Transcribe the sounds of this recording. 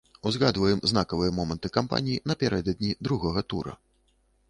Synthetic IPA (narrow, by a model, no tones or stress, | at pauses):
uzɣad̪vɐjɛmzn̪akɐvɨjɐmɔmɐnt̪ɨkampa̰nʲijinɐpʲaɾɛd̪ɐd̪ʲnʲid̪ɾuɣɔɣɐt̪ṵɾɐ̰